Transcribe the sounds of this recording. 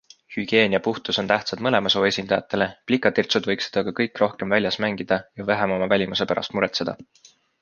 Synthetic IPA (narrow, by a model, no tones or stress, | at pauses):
hyɡ̥e̞ːniɑpuht̪uso̞nt̪æht̪sɑt̪mɤle̞mɑso̞ːe̞sʲind̪ɑjɑ̰t̪ːˑe̞le̞plikˑːɑt̪irt̪sud̪vɤjksed̪̥ɑkɑkɤjkːˑro̞hke̞mvælʲjɑsmæŋɡ̥id̪̥ɑjɑvæɦemo̞mɑvælʲimuse̞pæɾʔɑ̰st̪muɾe̞t̪se̞d̪̥ɑ̰